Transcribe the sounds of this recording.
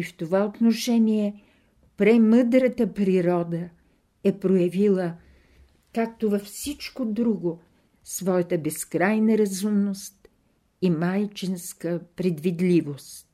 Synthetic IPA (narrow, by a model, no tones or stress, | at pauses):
ift̪ovaot̪noʃɛniɛ | pɾɛməd̪ɾət̪əpɾiɾɔd̪ə | ɛpɾojɐvilˠə | kak̚t̪ovɐfsit͡ʃkod̪ɾuɡo | svɔjət̪əbɛskɾajnɐɾɐzumnost̪ | imajt͡ʃinskəpɾɛd̪vid̪lʲivost̪